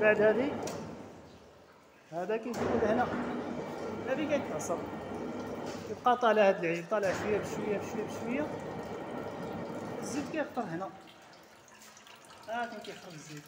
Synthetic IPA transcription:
baʕd̪hæd̪i | hæd̪ækæjtuwud̪hnæ | mæd̪ikæjt̪ʕsɑɾ | jəb̚qɑt̪ˤɑləhæd̪əlʕibt̪ˤɑləʕʃwəjːæbʃwəjːæbʃwjːæbʃwəjːa | əzːid̪kæjəqt̪əɾˤhnæ | ækunkæjxəfəzːid̪

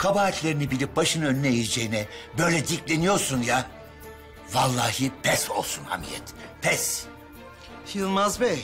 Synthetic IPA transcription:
kʰabaːt̪lʲe̞ɾinibilʲip̚baʃɯnønyːɛid͡ʒejinɛbø̞jlʲɛd̪iclʲenijo̞ɾsunja | valˠːaːɦɯpʰɛso̞̰lˠsunha̰mḭjɛ̰t̪pʰɛs | filˠmazbɛj

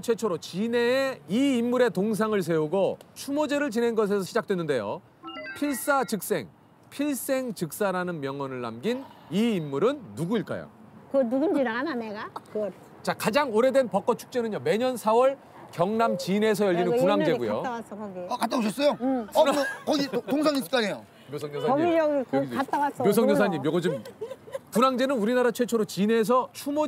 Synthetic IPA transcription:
t͡ɕʰe̞t͡ɕʰoɾot͡ɕineːiimːuɾe̞toŋs̬ʰaŋɯɭs̬ʰe̞uɡot͡ɕʰumod͡ʑeɾɯɭt͡ɕine̞nɡʌs̬ʰe̞sʰʌɕʰid͡ʑak̚t͈we̞nːɯnde̞jo̰ | pʰiɭs͈at͡ɕɯk̚s͈e̞̰ŋ | pʰiɭs͈e̞ŋt͡ɕɯk̚s͈aɾanɯnmjʌŋwʌnɯɭːa̰mɡiniimːuɾɯnːuɡuiɭk͈a̰jo̰ | knuɡund͡ʑinaŋananeɡakɯʌ | t͡ɕakad͡ʑaŋoɾe̞dwe̞npʌk͈ʌt͡ɕʰu̥k̚t͡ɕ͈enɯɲome̞ɲʌnsʰawʌɭ | kjʌŋnamt͡ɕine̞s̬ʰʌjʌʎːinɯnkunaŋd͡ʑe̞ɡujo̰awas͈ʌkʌɡiʌkat͈aboɕ̬ʰʌs͈ʌjonakʌɡitoŋs̬ʰaŋisʰk͈aɲejo | mjosʰʌŋɲʌsʰaʌɡiʌɡikoɡiat͈awas͈ʌmjosʰʌŋɲʌsʰaɲːimjʌɡʌd͡ʑɯm | kunaŋd͡ʑe̞nɯnuɾinaɾat͡ɕʰwe̞t͡ɕʰoɾot͡ɕine̞s̬ʰʌt͡ɕʰumo

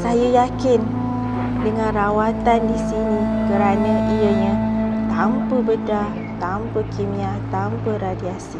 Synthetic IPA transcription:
sajəjakɪn | dəŋãnrawat̪andisinikəɾanə̃ʔijəɲãt̪ampəbəda | t̪ampəkimĩat̪ampəradiasi

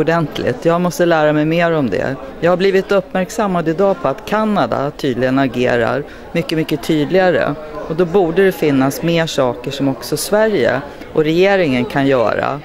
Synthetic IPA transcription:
ʊɖɛnt̪ʰlɪ̰t̪ʰjɑːɡmɔst̪əlæːɾamɛjmeːɾɔmd̪ɛ̰ | jɑːɡhabliːvɪt̪ɵpːmæɾksamːad̪ɪd̪ɑːpʰɔat̪kʰanːad̪a̰t̪ʰyːd̪lɪɡənaɡeːɾa̰ɾ | mʏkːəmʏkːət̪ʰyːd̪lɪɡaɾə̰ | ɔd̪ɔbuːɖəd̪ɛfɪnːasmeːʂɑːkəʂɔmɔksɔsvæɾjə̰ | ʔɔɾɛjeːɾɪŋənkʰanjœ̰ːɾa̰

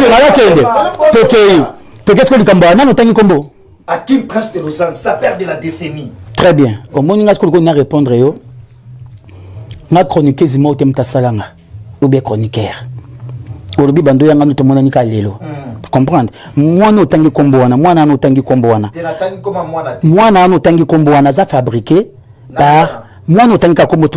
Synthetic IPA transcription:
imalakendetokeitok̬esi̥kolikamboananotaŋɡikombo | akimpasdelozãŋsapɛʁd̪eladesenitʁɛbjɛ̃omɔniŋɡasi̥kookoinaʁepɔ̃ndʁejo | ŋɡakʁonikezimaotɛm̩utasalaŋɡa | obiɛkχonikɛʁ | olobibandojaŋɡanotmɔnanikalelokɔ̃pχɑ̃ndmwanotãŋɡikombowanamwanawanotaŋɡikombowanaataŋɡikomamwanmwanawanotaŋɡikombowanazafabʁike | paʁ | mwanotaŋɡikakombo

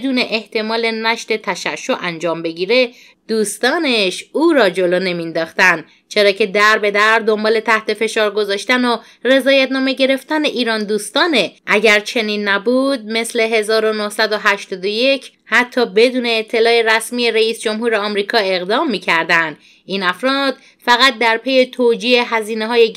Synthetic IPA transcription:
ed̪uːne̞ʔeht̪ʰe̞mɒːle̞næʃt̪e̞t̪ʰæʃæʃːo̞ʔænd͡ʒɒːmbe̞ɟiːɾe̞ | d̪̥uːst̪ɒːneʃuːɾɒːd͡ʒo̞loːne̞mind̪ɒːxt̪ænd̪ | t͡ʃʰe̞ɾɒːcʰe̞d̪æɾbe̞d̪æɾd̪o̞mbɒːle̞t̪ʰæht̪e̞fe̞ʃɒːɾɡo̞zɒːʃt̪æno | re̞zɒːjæt̪nɒːme̞ɟe̞ɾe̞ft̪æne̞ʔiːɾɒːnd̪uːst̪ɒːneʔæɟæɾt͡ʃʰe̞niːnːæbuːd̪̚me̞sle̞ɦe̞zɒːɾo̞nohsæd̪oɦæʃt̪ɒːd̪oje̞cʰ | hæt̪ʰːɒːbe̞d̪uːne̞ːt̪ʰːe̞lɒːeɾæsmiːjeɾeiːsd͡ʒo̞mhuːɾeɒːmɾiːkʰɒːe̞ɣd̪ɒːmːiːcʰæɾd̪ænd̪ | iːnæfɾɒːd̪̥ | fæɣæt̪̚d̪æɾpʰe̞je̞t̪ʰoːd͡ʒiːeɦæziːneɦɒːje

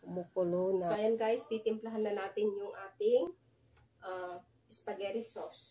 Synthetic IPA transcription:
mʊkʊlonakajɐnɡajst̪it̪ɪmplɐɦanːɐnaːt̪ɪnjʊŋʔaːt̪ɪŋ | ʔa | ʔɪspɐɡɛɾɪsos

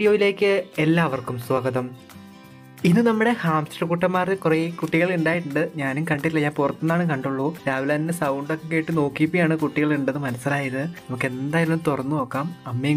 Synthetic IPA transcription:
ɽijo̞ːjile̞ːkːɨelːaːʋɐrkumswɐɡɐðɐm | inːɨnɐmːuɽe̞haːmsʈɐkuʈːɐmːaːrekureikuʈːiɣɐɭuɳɖaːjiʈːuɳɖɨɲaːnumkɐɳɖilːɐɲaːnpurɐt̪ːunːaːɳɨkɐɳɖuɭːuːɾaːʋilaːninesɐwɳɖokːekeːʈːɨno̞ːkːipːijaːɳɨkuʈːiɣɐɭuɳɖɐðɨmɐnɐsːilaːjɐðɨnɐmukːe̞nd̪aːjaːlumt̪orɐnːuno̞ːkːaːmɐmːe

